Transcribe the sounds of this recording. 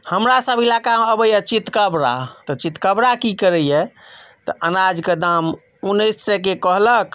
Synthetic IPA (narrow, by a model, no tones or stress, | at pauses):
həmɾasəbʱilakaəbəjət͡ʃit̪kəbɾa̰t̪ət͡ʃit̪kəbɾakikəɾəjɛt̪əʔənad͡ʒked̪am | unːəjst̪ɾɛkekəɦlək